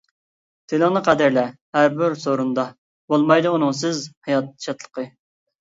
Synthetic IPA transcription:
t̪ʰeləŋnɨqʰæd̪æɾlɛ | hæɾbɪɾsoɾund̪ɑ | bolˠmɑjd̪ɨunɨŋsɪzhɑjɑt̪̚ʃʰɑt̪ʰlˠə̥qʰɨ

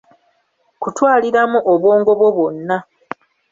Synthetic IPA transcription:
kutwaːliɾamuʔoβwo̞ːŋɡo̞βwo̞βo̞nːa

